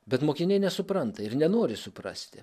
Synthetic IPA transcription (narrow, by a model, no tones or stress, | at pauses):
bʲɛt̪moːkʲɪnʲɛɪnʲɛsʊpɾɐnt̪ɐɪɾnʲɛnoːɾʲɪsʊpɾɑ̰sʲt̪ʲɪ